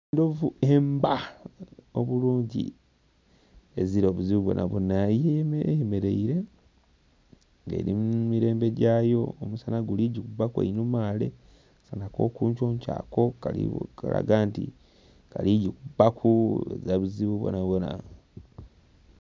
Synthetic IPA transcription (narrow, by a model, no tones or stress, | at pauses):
ndovuemba | oβuluːɲɟḭ | eziɾo̞ːβuziβuβwo̰na̰βonajejeme̞ɾeiɾe | ŋɡḛːɾimumiɾe̞ːmbe̞ɟaːjo̞omusanaɡuliɟikubakwḛinumaːle̞̰ | sanako̞̰ːkuːɲt͡ʃoːɲca̰ːko̞kaḭkala̰ɡaːntḭ | kaliɟikubːakʰuḛzaβuziβuβwo̰naβona̰